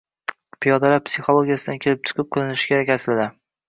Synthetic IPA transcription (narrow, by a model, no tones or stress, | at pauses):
pʰijɒd̪ɒlapsiχolˠoɡʲijasɪd̪ankʰʲelɪp̚t͡ʃʰɨ̥qʰɨp̚qʰɨlˠɪnɪʃɪ̥kʲʰeɾakʲasɪlad̪a